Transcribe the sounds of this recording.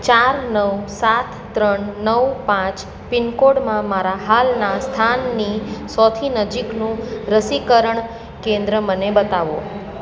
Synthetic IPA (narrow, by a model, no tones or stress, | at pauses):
t͡ʃaɾnəwsat̪ʰːɾəɳnəwpãt͡ʃ | pɪnkoɽmãmaɾaɦalnast̪ʰanːisɔt̪ʰinəd͡ʒiknũɾəsikəɾəɳ | kẽnd̪ɾəmənebət̪aʋo̰